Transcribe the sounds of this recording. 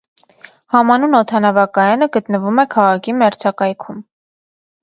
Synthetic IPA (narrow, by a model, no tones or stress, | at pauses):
hɑmɑnunɔt̪ʰɑnɑvɑkɑjɑnəɡət̪nəvumɛkʰɑʁɑkʰimɛɾt͡sʰɑkɑjkʰum